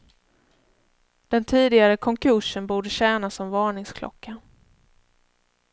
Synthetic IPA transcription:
d̪̥ɛnt̪ʰiːd̪ɪɡaɾəkʰɔŋkʰɵʂənbuːɖəɕæːnasɔmvɑːɳɪŋskʰlʔɔ̰kːa

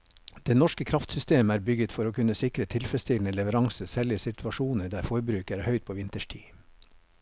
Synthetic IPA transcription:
d̪̥eːnɔʃkəkʰɾɑft̪sʏst̪eːməæːɾbʏɡət̪fɔɾoːkʰʉnəsɪkɾət̪ʰɪlfɾɛst̪ʰɪln̩əlɛʋəɾɑŋsəsæːɭɪəsɪt̪ʰʋɑʃuːnəd̪æːɾfɔɾbɾʉːkəæːɾhœʏt̪̚pʰoːʋɪnt̪əʃʈʰiː

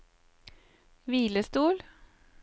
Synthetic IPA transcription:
ʋiːləst̪uːl

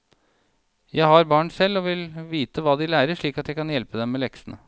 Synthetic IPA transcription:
jæɪhɑɾbɑːɳsɛlːɔʋɪlʋiːt̪əʋɑːd̪ɪlæːɾəʂɭiːkɑt̪jæɪkɑnjɛlpəd̪ɛmːɛlɛksənə

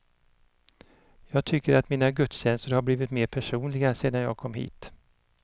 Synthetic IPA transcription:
jɑːɡ̚t̪ʰʏkːəɾat̪miːnaɡɵt̪sɕɛnst̪əɾhaɾbliːvɪt̪meːɾpʰæʂuːnlɪɡaseːd̪anjɑ̰ːɡ̚kʰɔmɦḭːt̪

